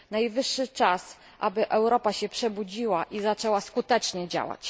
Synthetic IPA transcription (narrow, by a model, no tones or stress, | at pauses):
najvɘʂːɘt͡ʂas | ʔa̰bɘʔɛwɾɔpaɕɛpʂɛbud͡ʑiwaʔizat͡ʂɛwaskut̪ɛt͡ʂɲɛd͡ʑa̰wa̰t͡ɕ